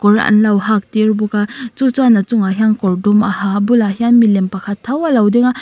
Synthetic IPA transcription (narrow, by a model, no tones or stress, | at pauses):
kɔɾa̰nlawɦak̚tiɾbukat͡ʃut͡sanat͡ʃuŋaɦijaŋkɔɾdumahabulahijanmilempakʰatʰːawalawdiŋa